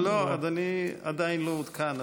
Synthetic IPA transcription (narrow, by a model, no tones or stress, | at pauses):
load̪ania̰d̪ajinloud̪kʰana